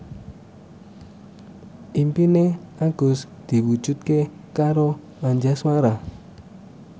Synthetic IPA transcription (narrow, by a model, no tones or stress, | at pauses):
ʔimpineaɡ̥ʊs | d̪̥i̤wu̥d͡ʒut̪̚ke | kaɾo | aɲd͡ʒaswaɾa